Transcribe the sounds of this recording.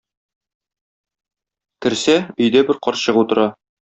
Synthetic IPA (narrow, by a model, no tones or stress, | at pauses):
kɘ̆ɾsæɵ̆jd̪æbɘɾqɒɾɕɤqut̪ɤ̆ɾɑ